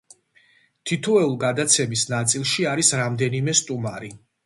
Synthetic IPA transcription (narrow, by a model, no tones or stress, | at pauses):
t̪ʰit̪ʰɔɛulˠɡad̪at̪sʰɛmisnat̪sʼilˠʃiaɾisɾamd̪ɛnimɛst̪ʼumaɾi